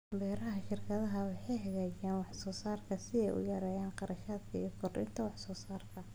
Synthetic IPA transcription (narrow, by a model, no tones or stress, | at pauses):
bɛːɾɐɦɐʃɪrkʰɐðɐɦɐwħɑjɦɐɣɛjaːnwɑħsɔːsaːrkʰɐsɪɛjʔʊ̰jɐɾɐːjaːnqɑɾʔɐʃaːd̪kʰɐḭːkʰɔrɪ̰nt̪ʰɐwɑħsɔːsaːrkʰɐ